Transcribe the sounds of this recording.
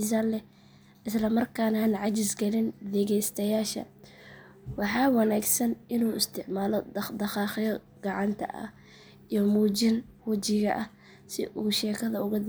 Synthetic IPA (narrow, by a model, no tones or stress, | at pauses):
saːnlɛ | ʔɪslɐmɐrkʰaːnaːnʕɑt͡ʃɪsɡɐlɪnd̪ɛɣɛjst̪ʰɐjaːʃɐ̰ | wɑħɑːwɑnaːɡsɐnʔɪnuːɪst̪ʰɪʕmaːlɔdd̪ɐχɑːχɪjɔ | ɡ̥ɑʕɑnt̪ʰɐ̰ʔɐ̰ | ijɔmuːt͡ʃɪnwɐt͡ʃɪɣɐ̰ʔɐ | sɪʔuːʃɛːkʰɐðɐʊɣʊd̪